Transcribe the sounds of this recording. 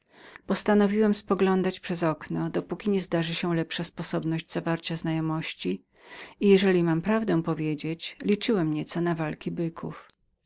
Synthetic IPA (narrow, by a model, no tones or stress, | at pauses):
pɔst̪anɔvʲiwɛmspɔɡlɔnd̪at͡ɕpʂɛzɔknɔd̪ɔpukʲiɲɛzd̪aʐɘɕɛlɛpʂaspɔsɔbnɔʑd͡ʑzavaɾt͡ɕaznajɔmɔɕt͡ɕi | ijɛʐɛlʲimampɾavd̪ɛ̃w̃pɔvʲjed͡ʑet͡ɕlʲit͡ʂɘwɛmɲɛt̪sɔnavalkʲibɘkʰṵf